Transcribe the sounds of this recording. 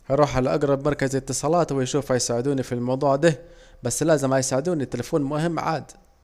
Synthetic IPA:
hɑjɾˤuːħʕalaʔɑɡɾˤɑbmɑɾˤkazɪt̪ːɨsˤɑːlɑːt̪wɪjʃuːfhæjsaːʕɪd̪uːnifilmɑwd̪ˤuːʕd̪a | bæsːlæːzɪmhæjsaːʕɪd̪uːnit̪ːelɪfuːnmʊhɪmːʕa̰ːd̪

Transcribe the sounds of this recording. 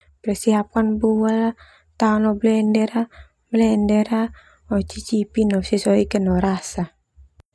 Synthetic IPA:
pəɾsiɦap̚kanbuwala | t̪anɔblɛndɛɾa | blɛndɛɾa | ɔt͡ʃit͡ʃipinɔsisɔikənɔɾasa

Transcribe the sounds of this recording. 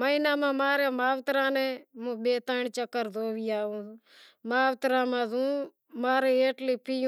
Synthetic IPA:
məinaːmãːmaːɾeːmaːʋt̪ɾãːnẽːmũːɓeːt̪aːɳt͡ʃəkːəɾd̪oːʋiːaːũː | maːʋt̪ɾãːmãːzũː | maːɾeːeːʈliːpʰiju

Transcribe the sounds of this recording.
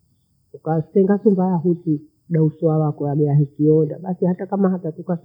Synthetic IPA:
ukatɛŋɡasumbajaɦuti | ɗauswawakɔaɓɛaɦikiɔnda̰ɓasihatakamahatatukas

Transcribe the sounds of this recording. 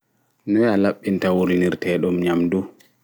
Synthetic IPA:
nɔjalaɓːintawulniɾtɛːɗɔmɲamdu

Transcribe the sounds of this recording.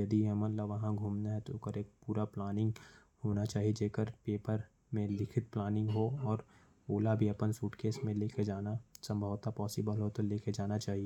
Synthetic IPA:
jɐd̪iɦɐmənlaʋɐɦãɡʱuːmnaɦɛ̃t̪okəɾeːk̚puːɾaplaːnɪ̃ŋɡ | hoːnat͡ʃaːɦied͡ʒeːkəɾpeːpəɾ | mẽlɪkʰɪt̪̚plaːnɪ̃ŋɡɦoɔːɾ | oːlabʱiɐpənsuːʈkeːsmẽleːkʰed͡ʒaːnasɐ̃mbʱəʋt̪apɔːsɪbəlɦot̪oleːkʰed͡ʒaːnat͡ʃaːɦie

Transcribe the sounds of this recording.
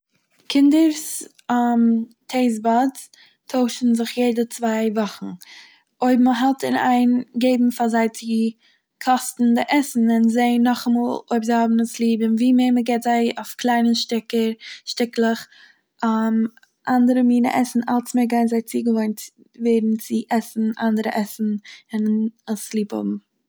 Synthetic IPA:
kʰɪndəɾs | am | tʰeɪz̬bɔd | tʰoʊʃn̩zɪχjeɪdət͡svaɪvɔχn̩ | oɪbm̩əɦɛlˠtɪna̰ɪnɡeɪbm̩fazaɪt͡sɪ | kʰɔstn̩dɪʔɛsn̩ɪnzeɪnɔχamuːlˠoɪbzaɪhɔbm̩əslˠiːbɪnviːmeːməɡɛːtzaɪoʊfklˠaɪnəʃtɪkəɾʃtɪklˠəχ | am | ʔandəɾəmiːnə̰ʔɛsn̩a̰lˠsmɪːɡaɪnzaɪt͡siːɡəvont | veːdn̩t͡sɪʔɛsn̩ʔa̰ndəɾə̰ʔɛsn̩ɪnəslˠiːphɔ̰bm̩

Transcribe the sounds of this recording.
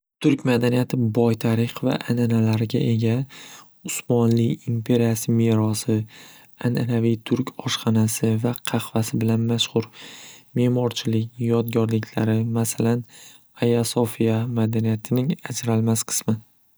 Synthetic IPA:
t̪ʰʊɾkʲmad̪anijat̪ʰɪbɒjt̪ʰaɾɪqva̰ʔananalaɾɪɡʲaʔe̞ɡʲa | ʊsmɒnlɪimpʰe̞ɾijasɪme̞ɾɒsɪ | anʔanavijt̪ʰʊɾkʲʰɒʃqɑnasɪvaqʰɑχvasɪbɪlanmaʃχʊɾme̞mɒɾt͡ʃʰɪlɪkʲjɒd̪ɡʲɒɾlɪkʲʰla̰ɾɪmasalan | ajasofijamad̪anijat̪ʰɪnɪŋad͡ʒɾalmasqʰɨ̥smɪ

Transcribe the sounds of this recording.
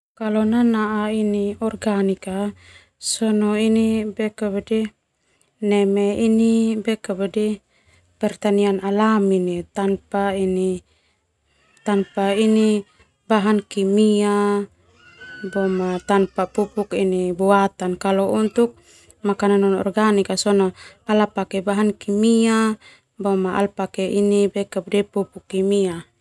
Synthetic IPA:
kalɔnanaʔainiɔrɡanika | sɔnɔinibɛkabadɛ | nɛmɛinibɛkabadɛ | pɛrt̪anianalaminit̪anpaini | t̪anpaini | baɦankimia | bɔmat̪anpapupukinibuat̪ankalɔunt̪uk̚ | makananɔnɔ̰rɡanikasɔnapalapakɛbaɦankimia | bɔmaʔa̰lpakɛʔinibɛkabdɛpupukːimia

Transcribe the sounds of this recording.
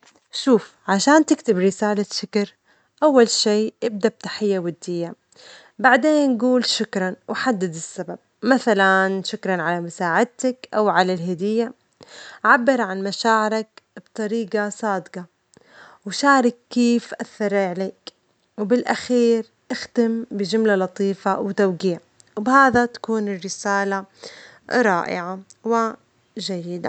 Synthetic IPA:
ʃuːf | ʕaʃaːnt̪ɪkt̪ɪbɾɪsaːlaʃɪkɑɾ | ʔawːalʃiːʔɪb̚d̪ab̚t̪aħɪjːawad̪ːɪjːa | baʕd̪eːnɡuːlʃʊkɾˤɑnwɪħad̪ːɪd̪ɪsːabab̚maθalanʃʊkɾˤɑnʕalamʊsaːʕɪd̪̚t̪akʔawʕalalɦad̪ɪjːa | ʕabːɪɾˤʕanmaʃaːʕɪɾakbt̪ˤɑɾiːɡasˤɑːd̪qɑ | wʃaːʕɾˤɪkːeːfʔaθːɑɾˤʕaleːk | wbɪlʔaxiːɾ | ʔaxt̪ɪmbɪd͡ʒʊmlalɑt̪ˤiːfawɪt̪awɡiːʕ | wbhaːðat̪ḁkuːnɪrːɪsaːla | ɾˤɑːʔɪ̰ʕawɪ | ʒajːɪd̪a̰

